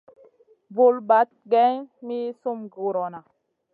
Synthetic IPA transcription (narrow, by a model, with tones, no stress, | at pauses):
vu˨lba˨˦t̚ɡɛ˦ŋmi˦su˦mɡu˨ɾɔ˨na˨